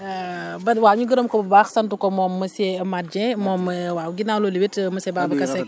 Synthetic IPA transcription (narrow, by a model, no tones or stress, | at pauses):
bɐwaɲuɡəɾəmkɔbbaxsɐntukɔmɔːmːɐsɛmat̚d͡ʒɛmɔːmːəwaɡinaːwlolibitmɐsɛbabɐkɐsɛk